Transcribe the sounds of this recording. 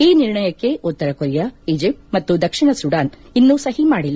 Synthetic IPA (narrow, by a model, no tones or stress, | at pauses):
iːniɾɳɐjɐkːe̞ʔut̪ːɐɾɐkuɾjɐid͡ʒipmɐt̪ːud̪ɐkʂiɳɐsuɽaːn | inːusɐɦimaːɽilː